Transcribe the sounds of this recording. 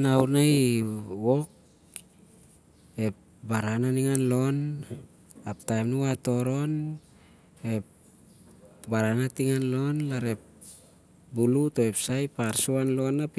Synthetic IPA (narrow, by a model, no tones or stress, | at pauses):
nawnajwo̞k̚ | e̞p̚ | baɾananiŋanlo̞n | aptajmnuato̞ɾo̞n | e̞p̚ | baɾanatiŋanlo̞nlaɾe̞p̚ | buluto̞epsajpaɾsuanlo̞nap